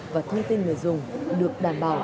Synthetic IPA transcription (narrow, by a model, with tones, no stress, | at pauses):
vaː˨˩t̪ʰə˧ŋt̪ï˧ŋno̰˨˩˨jzʊ˨˩ŋ͡mɗɨ˨˩ək̚ɗaː˨˩mɓaː˨˩w